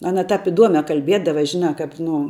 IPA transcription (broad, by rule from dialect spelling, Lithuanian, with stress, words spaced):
ˈɑːnɐ ˈtɐp ɪˈduɔmʲɛ kɐlʲˈbʲiɛdɐʋɐ ˈʒʲɪnɑː ˈkɐp ˈnʊ